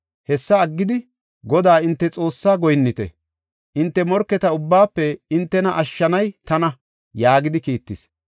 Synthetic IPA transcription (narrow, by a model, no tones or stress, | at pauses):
hɛsːɐːɡːɪd̪ɪ | ɡɔd̪aːɪnt̪ːɛt͡sʼo̞ːsːaːɡɔjnːɪt̪ɛ̰ | ʔɪnt̪ːɛmɔɾkːɛt̪ɐʊbːaːpːɛɪnt̪ːɛnɐʔɐʃːɐnɐjt̪ɐnɐ | jaːɡɪd̪ɪkiːt̪ːɪs